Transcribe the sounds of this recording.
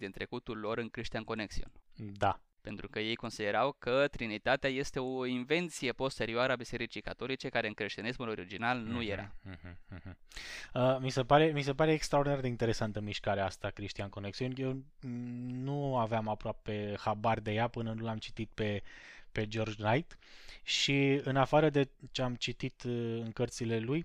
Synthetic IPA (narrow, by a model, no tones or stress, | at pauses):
d̪int̪ɾe̞kut̪ulːo̞ɾɨnkɾiʃt̪ianko̞neksiṵnʲd̪a | pe̞nt̪ɾukəje̞jko̞nsid̪e̞ɾawkət̪ɾinit̪at̪eaje̞st̪e̞o̞inve̞nt̪sije̞po̞st̪e̞ɾioaɾəabise̞ɾit͡ʃijkat̪o̞lit͡ʃe̞kaɾeɨnkɾe̞ʃt̪inismulo̞ɾid͡ʒinalnuje̞ɾʔa̰ɦ̩ɦ̩əmise̞paɾe̞mise̞paɾe̞ːkst̪ɾaord̪inaɾd̪eint̪eɾe̞sant̪əmiʃkaɾeast̪akɾiʃt̪ianko̞neksiunʲjew | nuaveamapɾoape̞habarʲd̪e̞japɨnənulamt͡ʃi̥t̪it̪̚pepe̞d͡ʒo̞rd͡ʒnajt̪ʃiɨnafaɾəd̪e̞t͡ʃeamt͡ʃit̪it̪ɨŋkərt̪sile̞luj